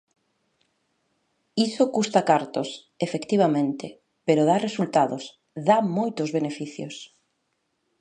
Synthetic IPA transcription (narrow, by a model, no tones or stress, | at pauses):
isokust̪akaɾt̪os | efekt̪iβ̞amẽnt̪e | peɾʊð̞aresult̪aðʊs | ðamojt̪ʊzβenefiθjʊs